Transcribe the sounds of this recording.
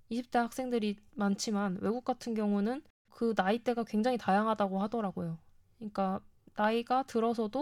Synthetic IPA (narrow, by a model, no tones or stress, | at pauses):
iɕʰip̚t͈e̞hak̚s͈e̞ŋdɯɾimant͡ɕʰimanwe̞ɡuk̚k͈atʰɯnɡjʌŋunɯn | kɯnait͈e̞ɡakwe̞ŋd͡ʑaŋitajaŋɦadaɡohadʌɾaɡojo | ɲik͈a | naiɡatɯɾʌs̬ʰʌdo